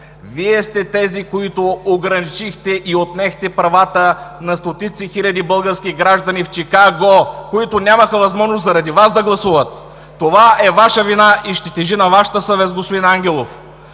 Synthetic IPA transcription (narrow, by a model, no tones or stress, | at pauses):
viɛst̪ɛt̪ɛzikoit̪ooɡɾɐnit͡ʃixt̪ɛʔiot̪nɛxt̪ɛpɾɐvat̪ənɐst̪ot̪it̪sixilʲɐd̪ibɤlˠɡəɾskʲiɡɾaʒd̪ɐnift͡ʃikaɡokoit̪ʊnʲaməxəvɐzmɔʒnoszɐɾɐd̪ivazd̪ɐɡlˠɐsuvət̪ː | ovaɛvaʃəvinaʔiʃt̪ɛt̪ɛʒinɐvaʃə̥t̪əsəvɛt̪sɡospod̪inaŋɡʲɛlˠof